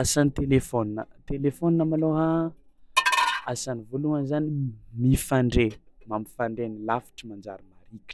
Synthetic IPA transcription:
asanit̪elefoninə̰t̪elefoninamaloɦa | asanivoluanzanimifaɳɖ͡ʐemami̥faɳɖ͡ʐenilafi̥ʈ͡ʂimand͡ʒa̰ɾimaɾikʲi̥

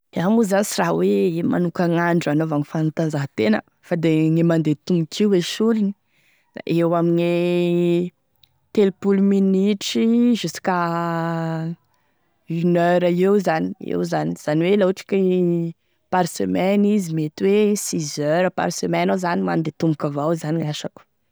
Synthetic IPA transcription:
amuzanisirawema̰nukaŋaɳɖ͡ʐanovaŋifannt̪anzaɦət̪enə̰ | fad̪eŋemand̪et̪umikʰiweʃulini | aʔewamine | t̪elpuluminiʈ͡ʂiʒusi̥ka | ynøɾaewzaniḛwzaniz̥aniwelauʈ͡ʂi̥ka | paɾsømɛnizimet̪wesizøɾəpa̰ɾsəmɛnozanima̰nd̪et̪umbukavawzaniŋaʃaku̥

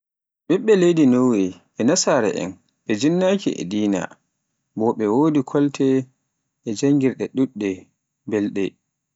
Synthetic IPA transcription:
ɓɛɓːɛlejdinowiɓɛnasaɾɛ̰ʔɛ̰n | ɓɛd͡ʒinːakiɛ̰diːna̰ | bɔɓɛwoːdikʰɔltʰɛ | ʔɛd͡ʒaŋɡiɾɗɛɗuɗːɛ | bɛlɗɛ̰

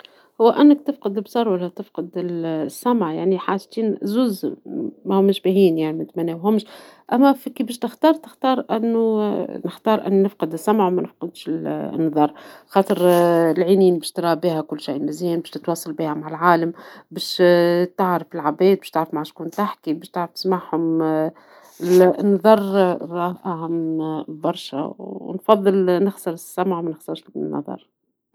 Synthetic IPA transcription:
hʊwːæʔænːækt̪ɪfqɨd̪ɪlbsˤɑɾˤwælːæt̪ɪfqɨd̪ɪlsːæmʕjaʕniħaːʒt̪iːnzuːzmæhʊmːʃbæhiːnjaʕnimɪt̪mænːeːwɦʊmːʃʔæmːæfikibeːʃt̪ɪxt̪ɑːɾˤt̪ɪ̥xt̪ɑːɾˤʔɪ̰nːunɪxt̪ɑːɾˤʔɪ̰nːnɪfqɨd̪ɪsːæmʕmænɪfqɑd̪ʃɪl̰nːɑðˤɑːɾˤxɑːt̪ˤəɾlʕiːniːnbɛːʃt̪ɾˤɑːbiːhækʊlːʃiːʔmɪziːnbɛːʃt̪ɪt̪wɑːsˤɑlbiːhæmaʕalʕaːlambɛːʃt̪aʕɾɪfɪlʕabɛːt̪̚bɛːʃt̪aʕɾɪfmaʕaʃkuːnt̪aħkibɛːʃt̪aʕɾɪft̪ɪ̥smaʕhʊm | ɪlnɑðˤɑrˤɾˤɑːhʔaɦambɑɾˤʃæ̰w̰nfɑðˤːɨlnɪxsɑɾɪsːæmʕwmɛnɪxsɑɾˤʃnːɑ̰ðˤɑ̰ɾˤ

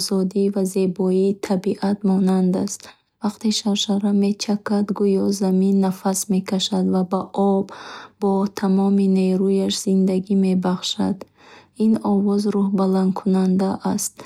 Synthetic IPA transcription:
zɔd̪ivaze̞bɔit̪ʰabiʔat̪mɔnand̪ast̪ | vaqt̪eʃaɾʃaɾame̞t͡ʃʰakad̪ɡujɔzaminːafasme̞kʰaʃad̪vabaʔɔbːɔt̪ʰamɔmineɾujaʃz̥ind̪aɡime̞baχʃa̰d̪ | inɔvɔzɾuhbaland̪kʰunand̪aʔast̪̚

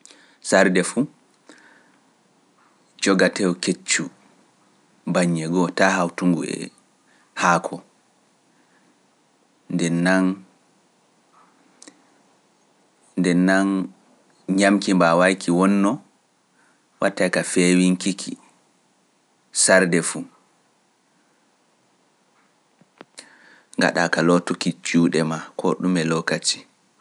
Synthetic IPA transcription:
saɾdɛfu | d͡ʒɔɡatɛwɔket͡ʃːu | baɲːɛɡɔtahawtuŋɡuɛ̰ | haːkʰɔ | ndɛnːan | dɛnːan | ɲamkimbawajkʰiwɔnːɔ | wʔatːajkafewiŋkikʰḭ | saɾdɛfu | ŋɡa̰ɗa̰kalɔtukit͡ʃuːɗɛmakʰɔ̰ɗumɛlɔkat͡ʃi̥

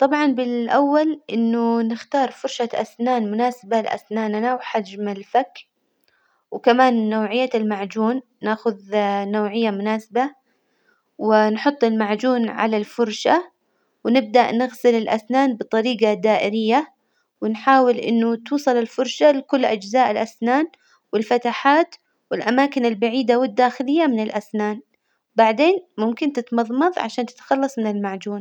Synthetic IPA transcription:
t̪ˤɑbʕɑnbɪlʔawːalʔɪnːʊnɪxt̪ɑːɾˤfʊɾˤʃaʔa̰snaːnmʊnaːsabalʔa̰snaːnanawħad͡ʒmalfak | wkamaːnːowːʕɪjːaɪlmaʕd͡ʒuːnːaːxʊðnowːʕɪjːamʊnaːsaba | wɪnħʊt̪ˤːɪlmaʕd͡ʒuːnʕa̰lalfʊɾˤʃa | wnɪb̚d̪aʔnɪɣsɪlɪlʔa̰snaːnbɨt̪ˤɑɾiːɡɑd̪aːʔɪɾɪjːa | wɪnħaːwɪlʔɪ̰nːʊt̪uːsˤɑlɪlfʊɾˤʃalɪkʊlːʔad͡ʒzaːʔɪlʔasnaːn | wɪlfat̪aħaːt̪ | wɪlʔamaːkɪnɪlbaʕiːd̪awɪd̪ːaːxɪlɪjːamɪnɪlʔasnaːn | wbaʕd̪eːnmʊmkɪnt̪ɪt̪mɑðˤmɑðˤʕa̰ʃaːnt̪ɪ̥t̪xɑlːɑsˤmɪnɪlmaʕd͡ʒuːn

